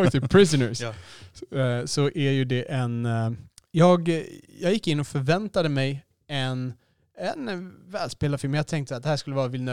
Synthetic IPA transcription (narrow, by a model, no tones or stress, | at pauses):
t̪ɪpʰɾɪsənəɾs | sɔʔæɾjɵd̪ɛʔɛn | jɑːɡjɑːɡjɪkːɪnːɔfœɾvɛnt̪ad̪əmɛj | ɛn | ɛnvɛːlspeːlad̪fɪlmjɑːɡ̚t̪ʰɛŋkt̪əsat̪̚d̪ɛhæːʂkɵlːəvɑːɾavɪlnə